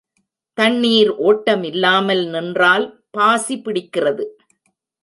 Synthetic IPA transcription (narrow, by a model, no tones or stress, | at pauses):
t̪ɐɳːiːɾʔoːʈːɐmɪlːaːmɐlnɪndraːl | paːsipɪɽɪkːɪrɐðɯ